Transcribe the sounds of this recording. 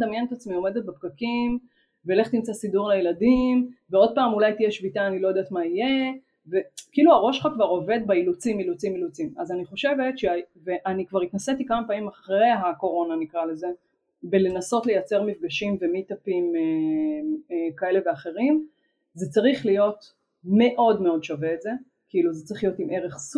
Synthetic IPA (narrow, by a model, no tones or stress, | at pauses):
damjenet̪at͡smio̞me̞d̪et̪̚bepɡakim | veːle̞χt̪imt͡sasiduʁlejeladimveo̞d̪̚paːmulajt̪ijeʃvitaːnilojod̪aːt̪maije̞ | ve̞kiːluaʁo̞ʃχakvaʁo̞ve̞d̪̚bailut͡similut͡similut͡simazaniχo̞ʃe̞ve̞tʃeaveʔanikvaʁitnasetikamapaimaχʁe̞jɦako̞ʁo̞nanikʁale̞ze̞ | bele̞naso̞tle̞jat͡se̞ʁmifɡaʃimvemit̪apime | kae̞leve̞aχe̞ʁim | zet͡saʁiχlijo̞t | me̞ʔo̞dmeo̞dʃaveːtze̞ | kiiluzet͡saʁiχlijo̞timeʁeχs